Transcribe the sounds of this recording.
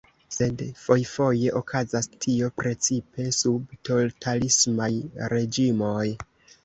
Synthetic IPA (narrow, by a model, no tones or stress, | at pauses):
se̞dfo̞jfo̞je̞ʔokʰazastʰio̞pɾe̞t͡sipe̞subto̞ltʰalismajɾe̞d͡ʒimo̞j